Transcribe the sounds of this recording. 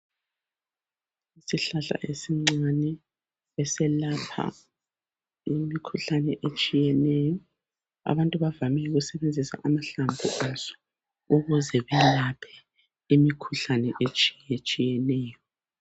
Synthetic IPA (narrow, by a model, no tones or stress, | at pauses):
isiɬaɬa̰ʔesiŋ͡ǀanɛ | βɛsɛlapʰa̰ | imikʰuɬanɛʔet͡ʃʼijɛnɛjɔ | a̰βantʼuβavamɛuɣusɛβend͡zʱisa̰ʔamaɬambʱuʔazɔ̥ | uɣuzɛβɛlapʰɛ̥ | imikʰuɬanɛʔet͡ʃʼi̥jɛt͡ʃʼijɛnɛːjɔ